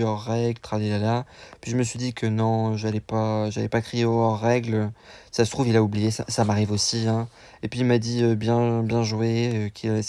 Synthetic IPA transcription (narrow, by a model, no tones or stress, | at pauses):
ɔʁːɛɡlt̪χavelalapɥiʒəməsɥid̪ikʰənɔ̃ʒalɛpaʒalɛpakχeeoɔʁːɛɡløsasə̥t̪χuvilaublijesa̰samaʁivosiɛ̃ | epɥiːmad̪iøbjɛ̃bjɛ̃ʒweøkʲʰilavɛ